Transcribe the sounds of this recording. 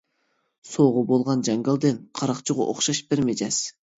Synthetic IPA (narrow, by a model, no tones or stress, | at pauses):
soʁəbolˠʁɑnd͡ʒɑŋɡʲɑlˠd̪ɪnqʰɑɾɑqt͡ʃʰəʁoʔoχʃɑʃbɪɾmed͡ʒɛs